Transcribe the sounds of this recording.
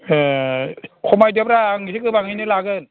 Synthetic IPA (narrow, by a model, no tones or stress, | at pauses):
kʰɔmajdɯp̚ɾaŋisʰɯkɯbaŋhajnɯlaɡɯn